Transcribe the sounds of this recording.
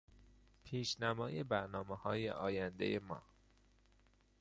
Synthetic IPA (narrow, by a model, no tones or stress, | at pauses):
pʰiːʃnæmɒːjebæɾnɒːmehɒːjḛʔɒːjænd̪ḛjemɒ̰ː